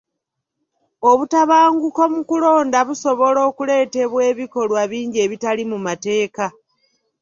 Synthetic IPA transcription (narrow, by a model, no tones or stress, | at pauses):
o̞βutaβaːŋɡuko̞mukulo̞ːndaβuso̞βo̞lo̞ːkule̞ːte̞βwe̞ːβiko̞lwaβiːɲɟie̞ːβitalimumate̞ːka